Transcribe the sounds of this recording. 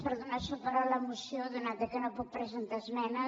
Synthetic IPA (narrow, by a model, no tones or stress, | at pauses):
pəɾðunasupəɾaləmusjod̪unat̪əkənopɔk̚pɾəzent̪azmɛnə